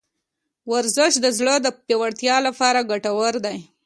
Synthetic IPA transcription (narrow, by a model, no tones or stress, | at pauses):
waɾzɪʃd̪əzɽəd̪əpjewaɽt̪jɑlapɑɾaɡaʈawəɾd̪aj